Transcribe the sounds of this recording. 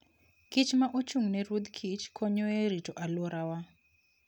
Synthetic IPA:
kit͡ʃmaʔot͡ʃuŋnɛɾud̪kʰit͡ʃkʰɔɲɔeɾitoʔalɔɾʔawa

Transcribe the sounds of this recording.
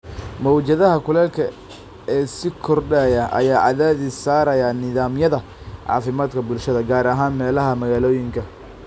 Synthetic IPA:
mɔwt͡ʃɐðɐɦɐkʰʊlɛːlkʰɐ | ɛːsɪkʰɔrɖaːjɐʔɐ̰jaːʕɑðaːðɪsaːɾɐjanɪðaːmjɐðɐ | ʕɑ̰ːfɪmaːd̪kʰɐbʊlʃɐðɐɡaːɾɐɦaːnmɛːlɐɦɐmɐɣaːlɔːjɪŋkʰɐ

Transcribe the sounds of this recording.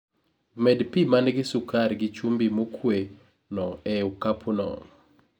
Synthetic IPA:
mɛdpimanɡɪsukarɡɪt͡ʃumbimokʰwe | nɔɛukapʰunɔ̰

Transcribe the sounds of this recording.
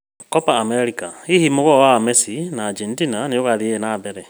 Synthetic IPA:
kɔpaːmɛɾikaihimoɣɔwamɛsinaːd͡ʒɛntinanejoɣaðienabɛɾɛ

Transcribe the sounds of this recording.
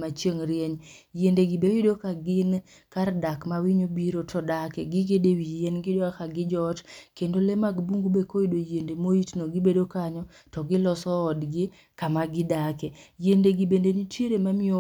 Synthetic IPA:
mat͡ʃeŋɾjeɲjendeɡɪbewidokaɡɪn | kardakmawiɲobiɾotʰɔdakɛɡɪɡedewijenɡɪdoakaɡɪd͡ʒɔtkendolemaɡbuŋɡubekoidojendemoitnoɡɪbedokaɲɔ | tɔɡɪlɔsɔːdɡɪ | kamaɡɪdakɛjendeɡɪbendeɲitjeɾemamɪo

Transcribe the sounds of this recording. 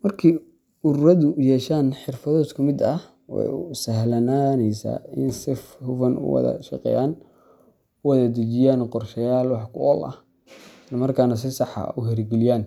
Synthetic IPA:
mɐrkʰiː | ʊɾɾɐðʊjɛːʃaːnħɪrfɐðɔːskʰʊmɪd̪ɐ | wɛ̰jʊsɐhlɐnaːnɛjsa̰ːɪnsɪfhʊfɐnʔʊ̰wɐ̰ðɐ̰ʃɐ̰qɛ̰ːjaːn | ʊwɐðɐd̪ɐt͡ʃɪjaːnqɔrʃɐjaːlwɑħkʰʊɔlɐ̰h | ɪslɐmɐrkʰaːnɐs̬ɪsɑħɑ̰ʊɦɛrɡɪlɪjaːn

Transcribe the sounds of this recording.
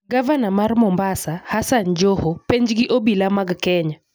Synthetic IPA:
ɡavanamarmɔmbasahasand͡ʒohopɛɲd͡ʒɡɪʔobilamaɡkɛɲa

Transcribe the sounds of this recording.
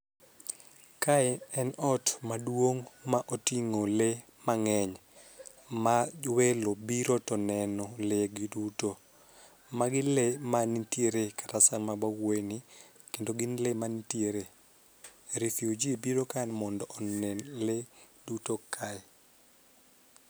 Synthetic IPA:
kaɛɛnɔtmadwoŋmaʔotiŋole | maŋɛɲ | mawelobiɾotɔnɛnɔleɡiduto | maɡɪlemanitjeɾekḁtasamabawwojni | kendoɡɪnlemanitjeɾe | ɾifiod͡ʒiebiɾokanmɔndɔʔɔnɛnledutokʰaɛ

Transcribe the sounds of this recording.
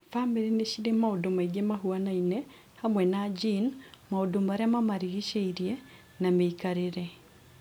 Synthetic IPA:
fameɾineʃiɾemaodomaiɡemaɦuanainɛ | hamwɛnad͡ʒinmaodomaɾeamamaɾiɣiʃeiɾiɛ | nameikaɾeɾɛ

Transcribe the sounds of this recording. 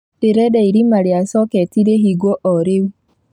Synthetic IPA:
eɾɛdɛiɾimaɾeasɔkɛtiɾeɦiɡoʔɔɾeu

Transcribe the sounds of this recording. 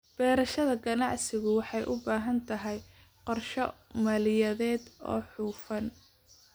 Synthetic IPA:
b̥ɛːɾɐʃɐðɐɡɐnɑʕsɪɣʊwɑħɑjʔʊbaːɦɐnt̪ʰɐɦɛj | qɔrʃɔmɐlɪjɐðɛːd̪ɔ̰ːħuːfɐn

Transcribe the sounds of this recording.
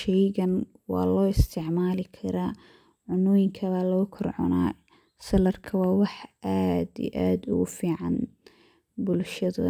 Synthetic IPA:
ʃɛjɣɐn | wɑ̰ːlɔːɪst̪ʰɪʕmaːlɪkʰɐɾaː | ʕʊnʊjɪŋkʰɐβaːlɐɣʊkʰɔrʕɔ̰na̰ː | sɐlɐrkʰɐwɑːwɑħʔaːd̪ḭʔaːd̪ʊ̰ɣʊfiːʕɑ̰n | bʊlʃɐðɐ̰

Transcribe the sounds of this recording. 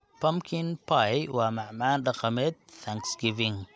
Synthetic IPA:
pʰɐmkʰɪnpʰajwɑːmɑʕmaːnɖɑqɐmɛːd̪̚θaŋksɡɪvɪŋ

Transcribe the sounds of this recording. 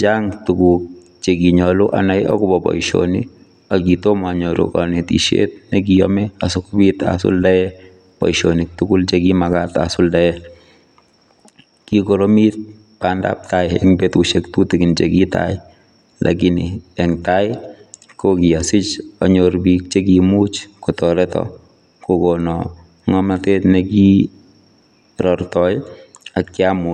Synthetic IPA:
d͡ʒaŋtukuk̚ | t͡ʃekiɲɔloʔa̰najɔ̰kʊbɔpɔ̰iʃo̰ni | akitomaɲoɾo̰kɔ̰netḭʃḛt̚nek̬iɔ̰mɛasukbita̰sʊ̰ldajɛ | pɔ̰iʃonik̚tukult͡ʃekimakata̰sʊldajɛ | kikoɾomit̚ | panda̰p̚tajɛ̰ŋbetuʃektutikɪnt͡ʃekitʰa̰jɪ | lʔa̰kiniɛŋtajɪ | kokiasɪt͡ʃaɲoɾbik̚t͡ʃekimut͡ʃkɔtɔɾɛtɔ̰ | kokonɔ | ŋɔmatetneki | ɾɔrtɔj | ak̚t͡ʃamu

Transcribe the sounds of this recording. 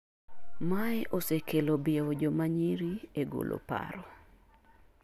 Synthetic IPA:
maɛʔosekʰelobɪod͡ʒomaɲiɾieɡo̰lʔo̰pa̰ɾɔ

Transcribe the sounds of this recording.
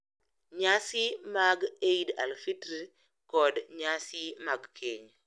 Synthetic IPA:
ɲasɪmaɡeida̰lfitɾi | kɔdɲasɪmaɡkʰiɲ

